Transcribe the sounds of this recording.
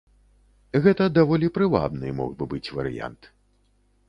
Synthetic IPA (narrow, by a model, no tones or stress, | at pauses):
ɣɛt̪ɐd̪avɔlʲipɾɨva̰bnɨ̰mɔ̰ɣbɨbɨt͡sʲvɐɾɨ̰ja̰nt̪